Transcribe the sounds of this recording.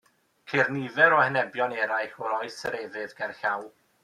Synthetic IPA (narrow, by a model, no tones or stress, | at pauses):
kʰɪrnivɛɾɔhənɛbjɔnɛɾajɬɔɾɔjsəɾevɨðɡ̥ɛrɬaw